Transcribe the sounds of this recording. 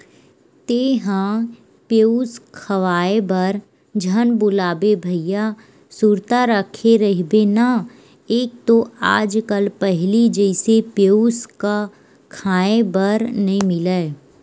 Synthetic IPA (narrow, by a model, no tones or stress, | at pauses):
t̪eːɦã | peuskʰəʋaːebəɾ | d͡ʒʱənbʊlaːbebʱəɪja | suɾt̪aɾəkʰeɾəɦbena | eːk̚t̪oaːd͡ʒkəlpɛɦlid͡ʒɛɪsepeuska | kʰaːebəɾnɐɦĩmɪleː